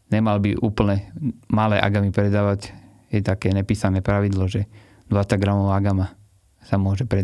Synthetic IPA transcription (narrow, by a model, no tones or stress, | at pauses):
ɲɛmalbiʔuːpl̩ɲɛmalɛːʔa̰ɡamipɾɛd̪aːʋaɟ | jɛt̪akɛːɲɛpiːsanɛːpɾaʋid̪lɔʒɛ | d̪ʋat͡saɡɾamɔʋaːaɡama | samʊɔʒɛpɾɛ